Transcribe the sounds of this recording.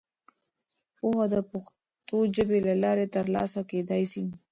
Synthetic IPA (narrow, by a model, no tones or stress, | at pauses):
pohad̪əpʊx | t̪od͡ʒəbelalɑɾet̪əɾlɑ̰saked̪ɑjsi